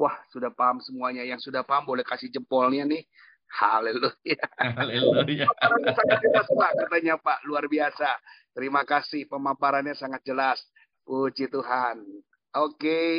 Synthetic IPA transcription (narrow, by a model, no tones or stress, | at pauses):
wahsudahpaɦamsəmuaɲajaŋsudahpaɦambolɛhkasɪd͡ʒəmpɔlɲanɪh | halelujaleljaaaɾansaŋat̪̚d͡ʒəlaspaʔkat̪aɲapaʔluarbiasat̪əɾimakasɪhpəmampaɾanɲasaŋat̪̚d͡ʒəlas | put͡ʃit̪uɦan | oke